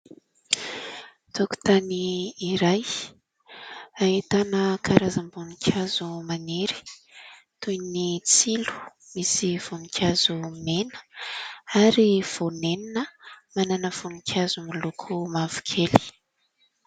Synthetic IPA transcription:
t̪oku̥t̪aniːɾaj | ait̪anəkʰaɾazambunikʲʰazumaneɾi̥ | t̪ujnit͡silu̥ | misiv̥onikʰʲazumenə̥ | aɾiv̥oneninəmananəv̥unikʲʰazumilukʰumavu̥kʰeli̥

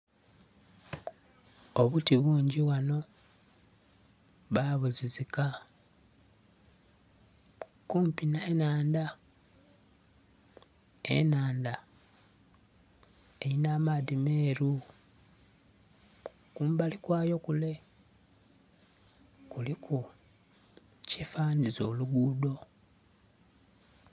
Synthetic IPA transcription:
oβutiβuːɲɟiwano̞ | βaβuzizika | kuːmpinaenaːnda | ḛnaːnd̪a | eɾinaːmadime̞ːɾu | kuːmbalikwaːjo̞kule̞ | kulikʰu | cifaːnizo̞ːluɡudo̞

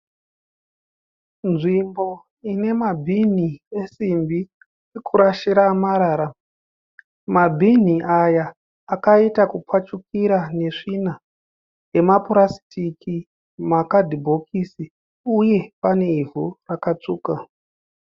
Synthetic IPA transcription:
nʐimbo̞ | ine̞mabʱinie̞simbi | ikuɾaʃiɾamaɾaːɾa | mabʱin̤iʔajaː | kaitakup͡fwat͡ʃukiɾane̞ʐina | je̞mapuɾasi̥tʰiki | makadʱibʱo̞kʰisi | uje̞pane̞ivʱurakat͡ʂuːka

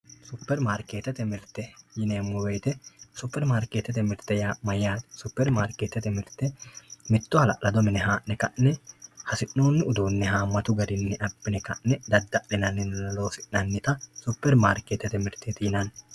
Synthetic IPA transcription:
sʊpːɛɾmaːɾkeːt̪ːɛt̪ɛmɪɾt̪ːɛjɪneːmːʊweːt̪ɛsʊpːɛɾmaːɾkeːt̪ːɛt̪ɛmɪɾt̪ːɛjaːmɐjːaːt̪sʊpːɛɾmaːɾkeːt̪ːɛt̪ɛmɪɾt̪ːɛmɪt̪ːɔhɐlɐ̰ʔlɐd̪ɔmɪnɛɦaːʔnɛkɐʔnɛhɐsɪʔnoːnːɪʊd̪uːnːɛhaːmːɐt̪ʊɡɐd̪ɪnːɛʔɐbːɪnɛkɐʔnɛd̪ɐd̪ːɐʔɪnɐnːɪnlo̞ːsɪʔːɐnːɪt̪ɐsʊpːɛɾmaːɾkeːt̪ːɛt̪ɛmɪɾt̪ːet̪ɪjɪnɐn

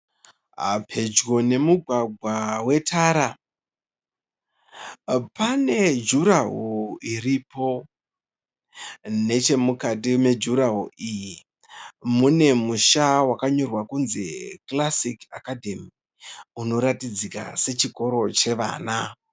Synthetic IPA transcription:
a̰pʰe̞d͡ʒɡo̞ne̞muɡʱwaɡʱwawe̞tʰaɾa | pane̞d͡ʒuɾaɦoiripo̞ | ne̞t͡ʃe̞mukatime̞d͡ʒuɾaɦoʔiji | mune̞muʃawakaɲo̞rwakunze̞̰klasika̰kadʱemi | uno̞ɾatid͡zika̰se̞t͡ʃiko̞ɾo̞t͡ʃe̞ʋa̰ːna

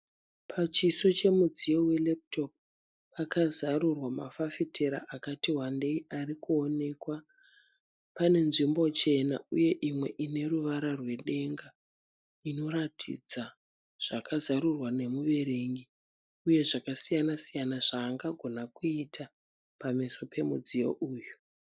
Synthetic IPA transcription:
pʰat͡ʃiso̞t͡ʃe̞mud͡zijo̞we̞lep̚to̞p̚ | pakazaɾurwamafafitʰeɾa̰ʔakatiɦwande̞iʔaɾikuone̞kwa | pane̞nʐimbo̞t͡ʃe̞na̰uje̞ʔimwe̞ʔine̞ruʋaɾarwe̞ɗe̞ŋɡa | ino̞ɾatʰḭd͡za | ʐ̥akazaɾurwane̞muʋe̞ɾe̞ŋɡi | uje̞ʐakasijanasijanaʐaːŋɡaɡʱo̞nakuitʰa | pamiso̞pʰe̞mud͡zijo̞̰ʔuːju

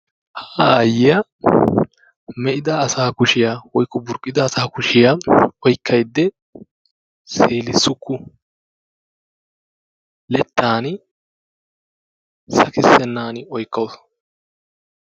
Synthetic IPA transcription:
hḁːjɪjɐ | mɛʔɪd̪ɐːsaːkʊʃɪjawɔjkːɔbʊɾkʼːɪd̪ɐːsaːkʊʃɪjaɔjkʰːɐjd̪ːɛ | se̞ːlɪsːʊkʰːʊ | lɛt̪ːaːn | sɐkɪsːɛnːaːnɔjkːɐwʊs

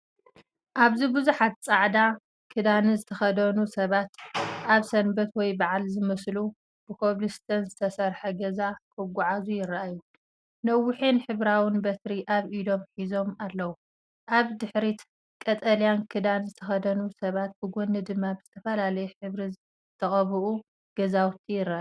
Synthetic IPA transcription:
ʔaβzibɨzuħat̪̚t͡sʼaʕd̪a | kʰɨd̪anɨzɨt̪ʰɐxɐd̪ɐnusɐβat̪aβsɐnbɐt̪wɔjbaʕalzɨmɐslu | b̥ɨkʰoβlɨst̪ʰɐnzɨt̪ʰɐsɐɾħɐɡɐzakʰɨɡʷaʕazujɪraʔaju | nɐwːɨħinħɨβɾawɨnbɐt̪ɾiʔaβid̪o̞mħizo̞malːɐwu | ʔaβd̪ɨħɾit̪ | kʼɐt̪ʼɐljankʰɨd̪anzɨt̪ʰɐxɐd̪ɐnusɐβat̪̚bʰɨɡonːɨd̪ɨmːabz̥ɨt̪ʰɐfɐlalɐjɛħɨβɾi | t̪ʰɐχʼɐβɨʔu | ɡ̥ɐzawt̪ʰijɪrːaʔa

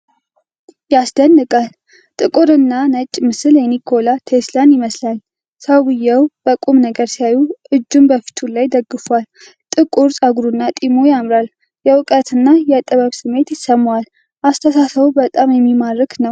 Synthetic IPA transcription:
jasd̪ənːɨkʼal | t̪ʼɨkʼuɾɨnːanət͡ʃʼːmɨsɨljɛnikʰo̞lat̪ʰeslanjɪməslal | səwwɨjːɛwb̥əkʼumnəɡəɾsijajuʔɨd͡ʒːumbəfi̥t̪ʰulajd̪əɡːɨfwal | t̪ʼɨkʼuɾsʼaɡuɾunːat̪ʼimo̞jamɾal | jɛwʊkʼət̪ʰɨnːajɛt̪ʼəβəβsɨmːe̞t̪jɪsəmːwal | ʔast̪ʰəsasəwubət̪ʼamjɛmːimaɾəknəw

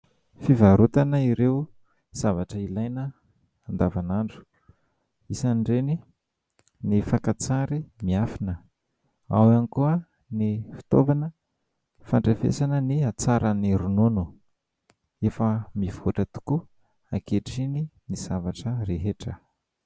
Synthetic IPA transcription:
fivaɾut̪anəiɾeu | z̥avaʈ͡ʂəilajnə | and̪avanaɳɖ͡ʐu̥ | isanɖ͡ʐeni | nifakat͡saɾimiafinə | a̰wanikuə | nifi̥t̪ovanə | faɳɖ͡ʐefḛsanəniat͡saɾaniɾununu | efəmivoʈ͡ʂət̪u̥ku | akeʈ͡ʂininiz̥avaʈ͡ʂəreɦeʈ͡ʂə

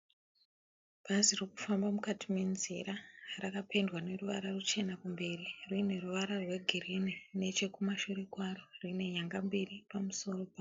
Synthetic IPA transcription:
b̥ʱaziriku̥fambamukatime̞nzḭɾarakapʰe̞ndwane̞ruʋaɾarut͡ʃe̞nakumbe̞ririne̞ruʋaɾarwe̞ɡʱirinine̞t͡ʃe̞kumaʃurikwaro̞rine̞ɲaŋɡambiripamuso̞ro̞pa

